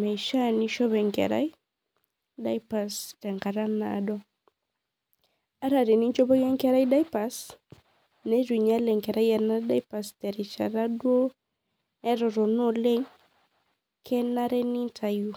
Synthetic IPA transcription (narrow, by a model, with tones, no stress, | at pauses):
ma˨iʃa˦ni˦ʃɔ˦βɛ˨ŋkɛ̰˨ɾa̰˦i˦ | da˦jpa˨stɛ˨ŋɡa˨ɾa˦na̰˨dɔ˦ | a˦ɾa˨ɾi˨ni˦ɲt͡ʃɔ˦bɔ˦jɛ˦ŋkɛ˦ɾa˦ida˦jpa˨s | nɛ˦d͡ʒwi˨ɲa˦lɛ˨ŋkɛ˨ɾa˦ja˨na˦da˦jpa˨stɛ˨ɾi˨t͡ʃa̰˨ɾa˦dwo˦ | nɛ˦ɾɔ˨ɾɔ˨no˦lɛ˦ɲ | kʰɛ˦na˦ɾɛ˦ni˦ntʰa˨ju˨